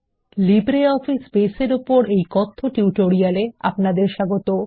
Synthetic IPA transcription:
libɾeɔfisbeseɾupoɾejkɔt̪ʰːoʈiʈoɾialea̰pnad̪eɾʃaɡot̪o

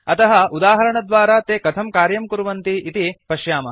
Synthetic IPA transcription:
ɐt̪ɐɦɐud̪aːɦɐɾɐɳɐd̪ʋaːɾaːt̪eːkɐt̪ʰɐmkaːɾjɐmkuɾuʋɐnt̪iit̪ipɐʃjaːmɐ

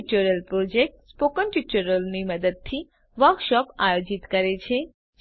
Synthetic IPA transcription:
t͡ʃəɾəlpɾod͡ʒek̚ʈspokənʈut͡ʃəɾəlniməd̪əd̪̚t̪ʰi | ʋəɾkʃɔpajod͡ʒit̪kəɾet͡ʃʰe

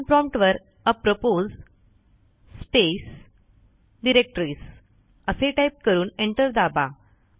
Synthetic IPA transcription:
npɾɔ̃mpʈʋəɾ | əpɾopoz | spes | ɖiɾek̚ʈɾiːs | əseʈaip̚kəɾuːneɳʈəɾd̪aba

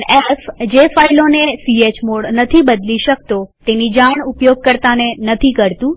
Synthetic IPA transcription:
efd͡ʑeːfaːɪlonesieːt͡ɕmoɽnɐt̪ʰibɐd̪liʃək̚t̪ot̪enid͡ʑaʋəɽ̃ʊpjoːɡ̚kəɾt̪anẽnɐt̪ʰikəɾt̪ũ

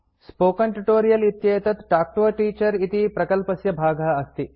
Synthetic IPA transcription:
spoːkɐɳʈuʈoːɾijɐlit̪jɐjɐt̪ɐt̪ʈaːk̚ʈoːʈiːt͡ʃɐɾit̪ipɾɐkɐlpɐsjɐbʱaːɡʱɐɐst̪i

